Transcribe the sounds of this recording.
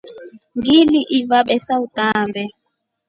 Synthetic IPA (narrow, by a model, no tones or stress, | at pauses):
ŋɡiliʔivaɓɛsautʼaːmbʱɛ